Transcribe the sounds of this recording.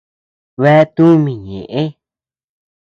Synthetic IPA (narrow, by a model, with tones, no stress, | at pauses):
βe˧˦˧t̪ũ˦mĩ˨ɲḛ̃˨ʔẽ˦